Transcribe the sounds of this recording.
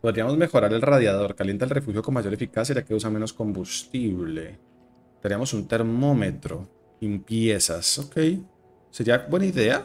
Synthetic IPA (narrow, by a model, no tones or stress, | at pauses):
po̞ðɾiamo̞zme̞xo̞ɾaɾe̞lraðjaðo̞ɾkalje̞nt̪aelre̞fuxjo̞ko̞nmaʝo̞ɾe̞fikas̬jaʝakeusame̞no̞sko̞mbust̪iβle̞ | t̪eɾeamo̞sunt̪e̞ɾmo̞me̞t̪ɾo̞ | impje̞saso̞ke̞j | se̞ɾiabwe̞naiðe̞a